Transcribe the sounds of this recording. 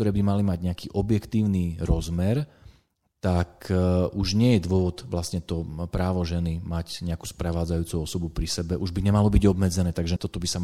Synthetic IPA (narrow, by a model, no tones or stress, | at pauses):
t̪ɔɾɛːbimalimaɟɲɛakiːʔɔbjɛkt̪iːʊniɾɔzmɛɾ | t̪akʔuʒɲɪɛjɛd̪ʊɔʋɔd̪ʋlasɲɛt̪ɔpɾaːʋɔʒɛnimacɲɛaku̥ːspɾɛʋaːd͡zajuːt͡suɔsɔbupɾisɛbɛʔuʒbiɲɛmalɔbiɟɔbmɛd͡zɛnɛːt̪aɡʒɛt̪ɔt̪ɔbisa